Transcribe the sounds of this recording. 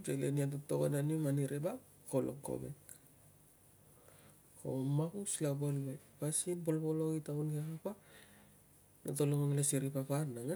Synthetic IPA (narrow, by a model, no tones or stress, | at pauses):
d͡ʒeleniat̬otoɡo̰nanimaniɾeba | ko̞lo̰kːo̰bek | ko̞̰makuslabolo | pasinbo̞lbo̞lo̞itaunɡekapa | natoloŋoŋlasiɾipaparnaŋa